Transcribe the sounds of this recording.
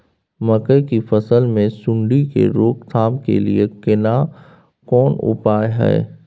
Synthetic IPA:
mɐkəjkifɐsəlmẽsʊ̃ɳɖikḛɾoːkt̪ʰaːmkḛliekɪna | kɔːnʊ̰paːjɦɛ̰ː

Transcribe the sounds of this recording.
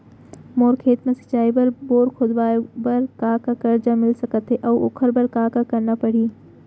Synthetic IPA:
moːɾkʰeːt̪mẽsɐ̥t͡ʃaːibɐɾboːɾkʰod̪ʋaːbɐɾkaːkakəɾd͡ʒamɪlsɐkət̪ɦɛʔɐo̰kʰəɾbɐɾkaːkakɐɾnapɐɽ̤iː

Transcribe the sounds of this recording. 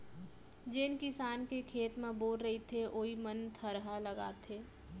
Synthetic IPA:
d͡ʒɪnkɪsaːnkekʰeːt̪mẽboːlɾəɦit̪ʰeʔoːimənt̪ʰəɾɦaləɡa̰ːt̪ʰeː

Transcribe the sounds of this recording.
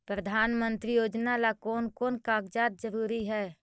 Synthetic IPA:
pɾəd̪ʱaːnmə̃nt̪ɾijoːd͡ʒnalakoːnkoːnkaːkd͡ʒaːt̪̚d͡ʒəɾuːɾiɦɛː

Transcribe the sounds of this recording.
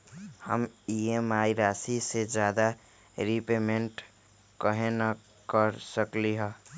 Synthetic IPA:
hə̰miemaiɾasised͡ʒad̪a | ɾipemeɳʈ | kəɦena | kəɾsəkliɦə

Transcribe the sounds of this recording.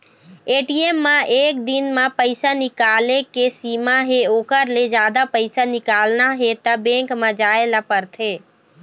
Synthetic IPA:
eːʈiːemːãʔeːk̚d̪ɪnmãpəɪsanɪkaːlekesiːmaɦeoːkəɾled͡ʒjaːd̪apəɪsanɪkaːlnaɦet̪ɐbẽːŋkmãd͡ʒaːelapəɾt̪ʰeː

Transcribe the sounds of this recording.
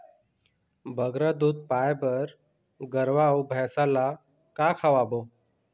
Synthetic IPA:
bʱəɡɾəd̪uːd̪̚pajbəɾ | ɡəɾʋaubʱɛsala | kakʰaʋabo

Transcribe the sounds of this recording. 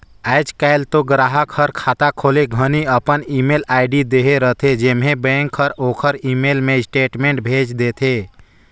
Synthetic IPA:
ɛɪd͡ʒkaɪlt̪oɡɾaɦəkʰəɾkʰat̪akʰoleɡʱəniəpənimelaɪɖid̪eɦeɾət̪ʰed͡ʒemɦebɛ̃ŋkʰːəɾokʰəɾimelmesʈeʈmẽɳʈ̚bʱed͡ʒd̪et̪ʰe

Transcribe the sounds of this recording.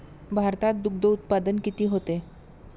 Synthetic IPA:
bʱaɾt̪at̪̚d̪uɡ̚d̪əut̪̚pad̪ənkit̪iːɦot̪e

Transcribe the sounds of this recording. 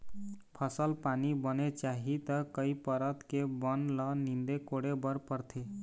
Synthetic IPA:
pʰəsəlpanibənet͡ʃaɦit̪əkəipəɾət̪kebənlənind̪ekoɽebəɾpəɾt̪ʰe

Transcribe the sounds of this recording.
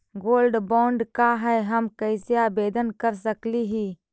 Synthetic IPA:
ɡoːlɖbɔ̃ːɳɖkaɦɛɦəmkəɪsiaːbeːd̪ənkəɾsəkliɦiː

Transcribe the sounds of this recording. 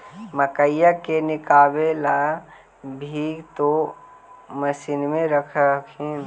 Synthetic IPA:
məkəjakenɪkaːbela | bʱiːɡt̪o | məsiːnmẽɾəkʰəkʰin

